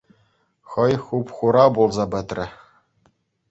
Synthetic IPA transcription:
χɤ̆jχupχuɾɑbulˠzɑbɘ̆t̪rʲɘ̆

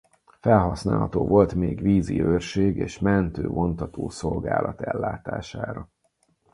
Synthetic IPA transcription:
fɛlɦɒsna̰ːlɦɒt̪oːvo̞lt̪meːɡʋiːziørʃeːɡeːʃmɛnt̪øːmo̞nt̪ɒt̪oːso̞lɡaːlɒt̪ɛlːaːt̪aːʃaːɾɒ

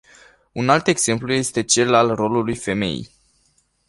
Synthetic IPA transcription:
unalt̪e̞ɡz̥e̞mpluje̞st̪e̞t͡ʃe̞lalro̞lulujfe̞me̞̰j

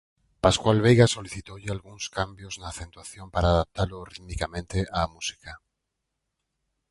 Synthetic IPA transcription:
paskwalβejɣasoliθit̪owʎɪalɣuŋskambjoznaːθẽnt̪waθjompaɾaːðap̚t̪alʊrimikamẽnt̪eʔaːmusi̥ka

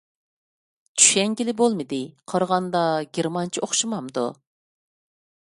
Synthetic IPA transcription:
t͡ʃʰy̥ʃɛŋɡʲilɪbolˠmɨd̪ɪqʰɑɾʁɑnd̪ɑɡʲeɾmɑnt͡ʃʰiʔoχʃɨmɑmd̪ṵ

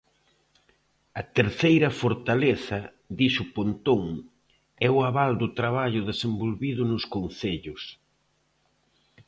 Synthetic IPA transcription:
ɐt̪eɾθejɾɐfoɾt̪aleθɐ | ðisʊpont̪oŋ | ɛʊaβald̪ʊt̪ɾaβ̞aʎʊðesembolβiðʊnʊskonθeʎʊs

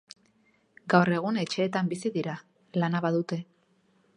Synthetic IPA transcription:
ɡawre̞ɣ̞une̞t͡ʃe̞ːt̪ambisiðiɾa | lanaβaðut̪e̞

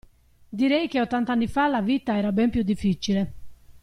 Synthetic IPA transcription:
d̪iɾɛjkeot̪ːant̪anːifalavit̪aɛːɾabɛmpjud̪ːifːit͡ʃile

